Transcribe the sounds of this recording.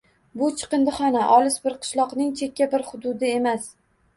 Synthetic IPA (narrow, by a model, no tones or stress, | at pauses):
bʊt͡ʃʰɨ̥qɨnd̪ɨχɒnaʔɒlˠɪsbɪɾqʰɨ̥ʃlˠɒqnɪŋt͡ʃʰe̞kʲːabɪɾχʊd̪ʊd̪ɪe̞mas